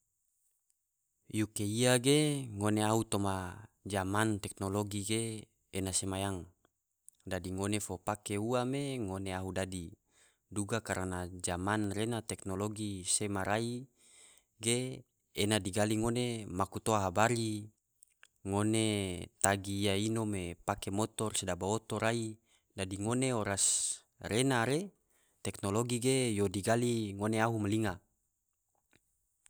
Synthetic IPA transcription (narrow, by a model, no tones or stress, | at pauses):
jukeiaɡeŋoneaut̪omad͡ʒamant̪ɛk̚noloɡiɡeː | nasemajaŋ | dadiŋonefopakeuameŋoneaɦudadi | duɡakaɾanad͡ʒamanrenat̪ɛknoloɡisemaɾʔai | ɡeː | nadiɡaliŋonemakut̪oaɦabaɾi | ŋonet̪aɡijainomepakemot̪ɔrsedabaot̪oɾai | dadiŋoneoɾas | renaɾe | t̪ɛknoloɡiɡejodiɡaliŋoneaɦumaliŋa